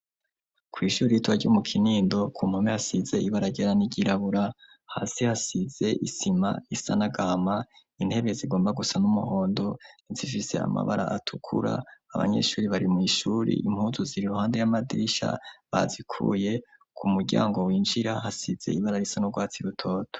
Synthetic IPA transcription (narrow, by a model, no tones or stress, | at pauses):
kwiːʃuːɾijituβaɟomukʰiniːndo̞kʰumhamehasize̞iβaɾaɟeɾaniɟiɾaβuɾa | ha̰sihasize̞ʔisima̰isanaɡama | inhe̞βe̞ziɡo̞ːmbaɡusanumuho̞ːndo̞nizifise̞̰a̰ma̰βaɾa̰ʔatʰukʰṵɾa̰ːβa̰ɲe̞̰ʃuːɾiβaɾimwiʃuːɾḭʔimhuːzuziɾiɾuhaːnde̞jamadiɾiʃa̰βazikʰṵje̞ | kʰumuɾɟa̰ːŋɡo̞wiːnd͡ʒiɾahasiz̥e̞̰iβaɾaɾisanoɡwaːt͡siɾutʰo̞ːtʰo̥